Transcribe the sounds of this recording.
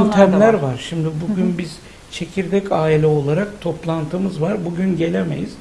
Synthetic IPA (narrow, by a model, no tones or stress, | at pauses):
nt̪ʰæmlʲæɾvaɾʃimd̪ibuɟʲynbiz̥ | t͡ʃʰe̞cʰiɾd̪ɛcʰaːilʲɛo̞lˠaɾak̚t̪ʰo̞plˠant̪ʰɯmɯzvaɾbuɟynɟe̞lʲemḛjiz̥